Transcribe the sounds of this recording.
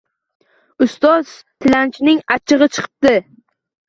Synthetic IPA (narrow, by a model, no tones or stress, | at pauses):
ʊst̪ɒz̥ | t̪ʰɪlant͡ʃnɪŋat͡ʃʰɨʁɨt͡ʃʰɨ̥qʰɨ̥p̚d̪ɪ